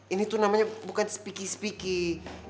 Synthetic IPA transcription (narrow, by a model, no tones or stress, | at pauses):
init̪unamaɲabukansə̥pikisə̥piki